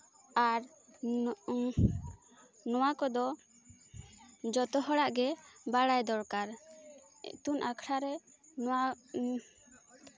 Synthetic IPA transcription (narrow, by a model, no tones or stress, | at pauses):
aɾ | nɔwakɔd̪ɔ | d͡ʒɔt̪ɔɦɔɽaʔɡɛbaɽajd̪ɔɽkaɾ | ɛ̰t̪unʔakʰɾaɾɛ | nɔwa